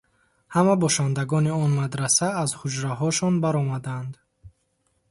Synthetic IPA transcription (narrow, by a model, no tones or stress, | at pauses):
hamabɔʃand̪aɡɔniɔnmad̪ɾasaːzhud͡ʒɾaɦɔʃɔnbaɾɔmad̪and̪